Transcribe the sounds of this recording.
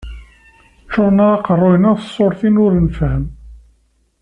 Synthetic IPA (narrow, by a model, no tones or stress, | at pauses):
t͡ʃːʊɾˤnaɑqərˤːojnæθsˤːoɾˤθinʊɾənfhəm